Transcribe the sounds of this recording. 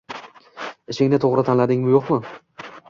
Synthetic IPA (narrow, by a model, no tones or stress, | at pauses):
ɪʃɪŋʲnɪt̪ʰoʁɾɪt̪ʰanlad̪ɪŋmɪjoqmɪ